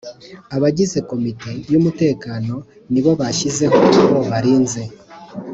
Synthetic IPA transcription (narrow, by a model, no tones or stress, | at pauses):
aβaɟize̞ko̞mite̞jumute̞ːkaːno̞ | niβo̞βaʃize̞ɦo̞aβo̞βaɾiːnze̞